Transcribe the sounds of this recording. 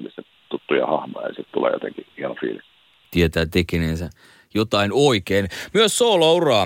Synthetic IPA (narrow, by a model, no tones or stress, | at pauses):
mise | t̪ut̪ːujɑ̰hɑhmojɑsit̪t̪ulḛːjo̰t̪ḛŋkihiɑnofḭːlik | t̪iet̪æːt̪ekenensæ | jot̪ɑinoikeːnmyøssoːlɑurɑː